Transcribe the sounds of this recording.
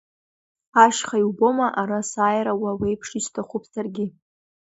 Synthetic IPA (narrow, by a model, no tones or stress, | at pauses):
aʃχajwbo̞maʔaɾasaːjɾawawejpʰʂiʃtʰaχʷʊpʰsarɡʲɪ